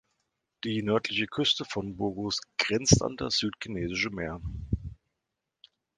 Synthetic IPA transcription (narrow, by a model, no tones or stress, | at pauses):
d̥iːnœɐtʰlɪçəkʰʏstəfɔnbʊɐɡʊsɡ̥ʁɛnt͡sta̰ndasz̥yːtkʰineːzɪʃəmeːɐ